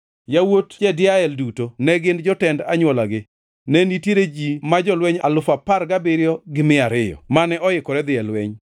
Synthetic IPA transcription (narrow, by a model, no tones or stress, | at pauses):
jawotd͡ʒɛdɪaɛldutonɛɡɪnd͡ʒɔtɛndaɲwɔlaɡɪ | nɛnitjeɾed͡ʒimad͡ʒɔlwɛɲa̰lʊfapaɾɡabɪɾjɔɡɪmɪaɾɪjɔ̰manɛʔɔɪkɔɾɛd̪ɪɛlwɛɲ